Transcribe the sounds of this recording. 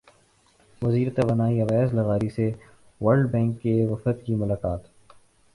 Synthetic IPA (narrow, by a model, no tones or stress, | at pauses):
ʋɐziːɾt̪eʋɐnaːiɐʋɛːzlɐɣaːɾise | ʋɐɾɖbɛ̃ːŋkːeʋɐfət̪̚kimʊlaːkaːt̪